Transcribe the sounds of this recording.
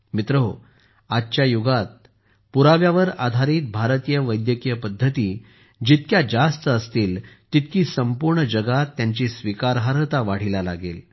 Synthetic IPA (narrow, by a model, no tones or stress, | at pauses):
mit̪ɾəɦo | adt͡ɕjajuɡat̪̚ | puɾaʋjaʋəɾad̪ʱaɾiːt̪̚bʱaɾt̪ijəʋəjd̪jəkijəpəd̪ʱːət̪iː | d͡ʑit̪̚kjad͡ʑast̪əəst̪iːlt̪it̪̚kiːsəmpuɾɳəd͡ʑəɡat̪ːjaɲt͡ɕisʋikaɾɦaɾət̪aʋaɽ̤ilala̰ɡḛl